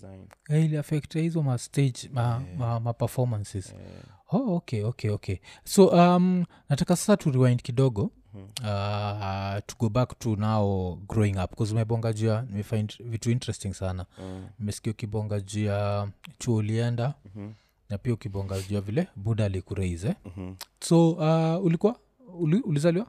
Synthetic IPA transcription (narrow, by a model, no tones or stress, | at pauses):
ailiafɛktahizɔmasted͡ʒmamamapɛfɔmansiz̥ | ookeokʰeokʰesoʔam | natakasḁsatuɾimajndkiɗɔɡɔ | a | tuɡɔbaktunaɔɡɾɔiŋapkɔzumɛɓɔŋɡad͡ʒuanimɛfajndvituintɾɛstĩŋsananimɛsi̥kiaukiɓɔŋɡad͡ʒuat͡ʃuɔuliɛnda | napiaukiɓɔŋɡad͡ʒuavilɛbuɗaːlikuɾaizɛsoaulikuwa | uliulizaliwa